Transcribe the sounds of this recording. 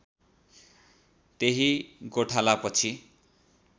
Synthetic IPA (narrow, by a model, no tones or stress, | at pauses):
t̪eɦiɡoʈʰalapʌt͡sʰi